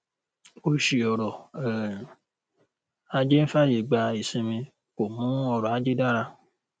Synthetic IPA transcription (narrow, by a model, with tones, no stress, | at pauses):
o˧ʃi˨ɔ˨ɾɔ˨ɛ˨ | a˧d͡ʒe˦n̩˦fa˦˨je˨ɡ͡ba˧i˨sĩ˧mĩ˧ | ko˨mũ˨˦ɔ˧˨ɾɔ˨a˨˦d͡ʒe˦da˦ɾa˧